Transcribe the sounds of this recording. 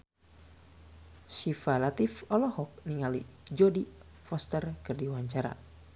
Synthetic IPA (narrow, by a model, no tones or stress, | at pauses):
sifalat̪ifɔlɔhɔk̚niŋalid͡ʒɔdi | fɔst̪ərkɨrdiwaɲt͡ʃaɾa̰